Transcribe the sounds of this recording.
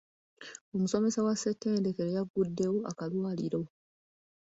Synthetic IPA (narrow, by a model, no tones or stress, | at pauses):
omuso̞me̞sawasːetːe̞ːndekeɾejaɡudːe̞woʔa̰kalwaːliɾo̞